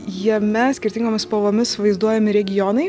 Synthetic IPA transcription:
jiɛmʲɛsʲkʲɪɾʲt̪ʲɪŋɡoːmʲɪspoʋoːmʲɪsʋɐɪzd̪uɔjɛmʲɪɾʲɛɡʲɪjɔnɐɪ

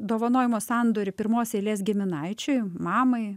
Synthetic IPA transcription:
d̪oːʋɐnoːjɪmoːsɑnd̪oːɾʲɪpʲɪɾmoːsʲeːlʲeːsɡʲɪmʲɪnɐɪt͡ʃʲʊɪmɑːmɐɪ

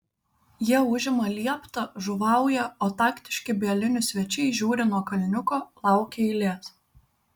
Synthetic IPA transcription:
jiɛʊʒʲɪmɐlʲiɛpt̪ɐʒʊʋɑˑʊjɛoːt̪ɑːkt̪ʲɪʃʲkʲɪbʲeɛlʲɪnʲʊsʲʋʲɛt͡ʃʲɛɪʒʲuːɾʲɪnuɔkɐlʲnʲʊkoːlˠɑˑʊkʲeɪlʲeːs

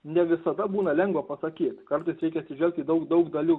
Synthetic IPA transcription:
nʲɛʋʲɪsɐd̪ɐbuːnɐlʲɛŋɡʋɐpɐsɐkʲiːt̪kɐɾt̪ɐɪsɾʲɛɪkʲɛɐt̪sʲɪʒʲɛlʲk̚t̪ʲiːd̪ɐʊkd̪ɐʊkd̪ɐlʲʊ

